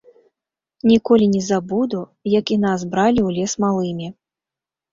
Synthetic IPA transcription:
nʲikɔlʲinʲɛzabud̪u | jɐkinazbɾalʲiwlʲɛsmalˠɨmʲi

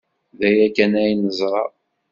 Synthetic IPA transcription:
ðæjækænæjnːəzˤɾˤɑ̰

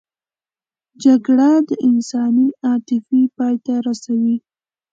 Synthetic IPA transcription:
d͡ʒaɡɽad̪əʔɪnsɑniɑt̪ɪfipɑjt̪aɾasawi

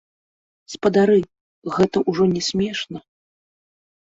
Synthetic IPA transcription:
spɐd̪aɾɨ | ɣɛt̪ɐʔuʐɔnʲɛsʲmʲɛʂnɐ

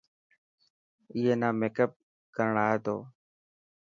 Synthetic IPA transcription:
ɪːɦeːnãːmeːkəp̚ | kəɾɳaːɦeːt̪o̰ː

